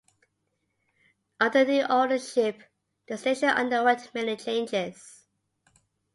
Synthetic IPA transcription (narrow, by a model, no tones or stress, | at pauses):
ʔʌtəðiʔɔdəʃɪp | d̥əseʃəʔʌ̰̃ndəwɪtmɛnit͡ʃʰẽɪ̃nd͡ʒɪz̥